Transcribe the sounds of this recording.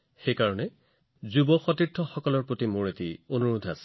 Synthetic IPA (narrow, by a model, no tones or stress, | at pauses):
xejkaɹɔnɛ | zubɔxɔtiɹtʰːɔxɔkɔlɔɹpɹotimʊɹetḭonuɹudʱasɛ̥